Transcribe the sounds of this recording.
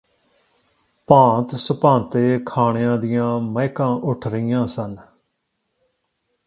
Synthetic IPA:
pãːt̪səpãːnt̪eːkʰaːɳjãːd̪ɪjãːməɪkãːʔʊʈʰɾəɪjãːsən

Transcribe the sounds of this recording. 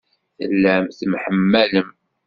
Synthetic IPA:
θə̰lːæmθmħəmːæləm

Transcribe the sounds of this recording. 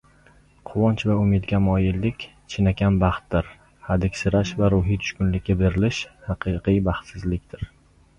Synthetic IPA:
qʰʊwɒnt͡ʃvaʊmɪd̪ɡʲamɒjɪlːɪkʲ | t͡ʃʰɪnakʲʰanbɑχt̪ːɪɾ | had̪ɪkʲsɪɾaʃvaɾʊɦijt̪ʰʊ̥ʃkʲʊnlɪk̚ʲːabeɾɪlɪʃhɑqʰɨqʰɨjbɑχt̪sɪzlɪkʲt̪ʰɪɾ

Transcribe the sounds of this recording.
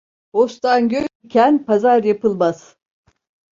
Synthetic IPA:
host̪ʰanɟøjicʰænpazaɾjapɯlˠmaz̥

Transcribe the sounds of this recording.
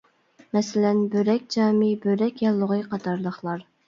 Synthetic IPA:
mɛsɪlɛnbøɾɛkʲd͡ʒɑːmibøɾɛkʲjɑlˠːəʁəqʰɑt̪ʰɑɾlˠəχlˠɑɾ

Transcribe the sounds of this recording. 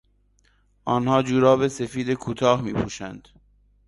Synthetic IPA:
ʔɒːnhɒːd͡ʒuːɾɒːbe̞se̞fiːd̪ekʰuːt̪ʰɒːhmiːpʰṵːʃænd̪̥

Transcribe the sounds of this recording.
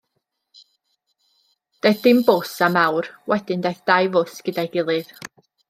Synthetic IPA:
d̥ajθdɪmbosamawrwɛdɪndejθd̥ajvʊsɡ̥ədajɡɪlˠɨð̥

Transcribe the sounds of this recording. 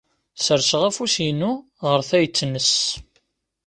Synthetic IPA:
səɾsəʁæfusinu | ʁəɾθæjət͡sːnəs

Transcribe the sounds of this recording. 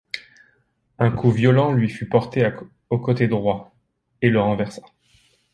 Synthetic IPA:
ɛ̃kʰuvjɔlɑ̃lɥifypɔʁt̪ea | okot̪ed̪ʁwa | eləʁɑ̃vɛʁsa

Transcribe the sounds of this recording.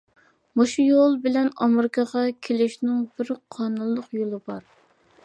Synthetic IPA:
moʃujolˠbɪlɛnɑmɪɾɪkʰɑʁɑkʲʰelɪʃnɪŋbɪɾqʰɑnunllːˠʊqjolˠɨbɑɾ

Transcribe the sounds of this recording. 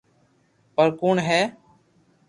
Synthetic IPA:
pəɾkuːɳɦɛː

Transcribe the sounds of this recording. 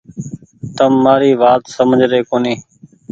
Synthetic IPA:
t̪əmːaːɾiːʋaːt̪səməd͡ʒʱɾeːkoːniː

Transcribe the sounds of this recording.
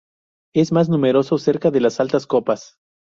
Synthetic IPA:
e̞zmaznume̞ɾo̞so̞se̞ɾkaðe̞lasalt̪asko̞pas

